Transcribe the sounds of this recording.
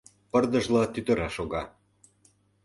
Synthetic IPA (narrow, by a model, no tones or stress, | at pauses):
pərd̪ə̆ʒlɑt̪yt̪ə̆ɾɑʃoɣɑ